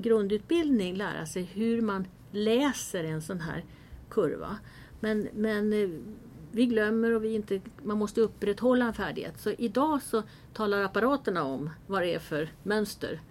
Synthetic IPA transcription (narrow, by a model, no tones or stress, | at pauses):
ɡɾɵnd̪ʉ̟ːt̪̚bɪld̪nɪŋlæ̰ːɾa̰ʂɛjɦɵɾman | lɛːsəɾɛnsɔnɦæ̰ːɾ | kʰɵɾva̰ | mɛnmɛn | vɪɡlœmːəɾɔvɪɪnt̪əmanmɔst̪əɵpːɾɛt̪ːhɔlːaɛnfæ̰ːɖɪɡhḛːt̪sɔʔɪd̪ɑːsɔ | t̪ʰɑːlaɾapaɾɑːt̪əɳaɔmvadɛæfœɾmœnst̪ə̰ɾ